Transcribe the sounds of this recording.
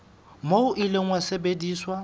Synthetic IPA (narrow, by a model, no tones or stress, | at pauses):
moʊʔileŋ̩wasebediːswa